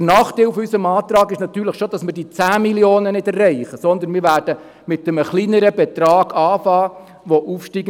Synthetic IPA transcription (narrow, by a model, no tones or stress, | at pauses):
nɑːχt̪eufysəmɑːt̪ɾɑːɡɪʃnɑt̪yːɾləχʃod̪̥ɑsmɪɾdit͡sæːmiljoːnənɪdɛrːɛɪχəsɔnd̪ənmɪːɾʋæːɾdə | mɪt̪ːəməχlinəɾəb̥ɛt̪ɾɑːɡ̥ɑːfɑː | ʋɔʔuːfʃtiːɡ